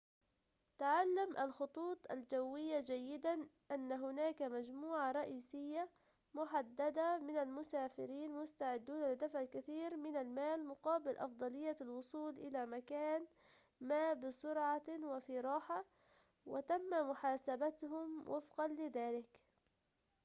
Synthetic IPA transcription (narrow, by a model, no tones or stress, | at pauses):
t̪aʕalːamʔalxʊt̪ˤuːt̪ˤʔa̰ld͡ʒawːɪjːad͡ʒajːɪd̪anʔanːaɦʊnaːkamad͡ʒmuːʕaɾˤɑʔiːsɪjːa | mʊħad̪ːad̪amɪnalmʊsaːfɪɾiːnmʊst̪aʕɪd̪ːuːnalɪd̪afʕkaθiːɾmɪnalmaːlmʊqɑːbɪlʔɑ̰fd̪ˤɑlɪjːalwʊsˤuːlʔɪlamakaːn | maːbɪsʊɾʕawɪfiːɾˤɑːħa | wɪt̪amːamʊħaːsabat̪hʊmwʔafqɑnlɪðaːlɪk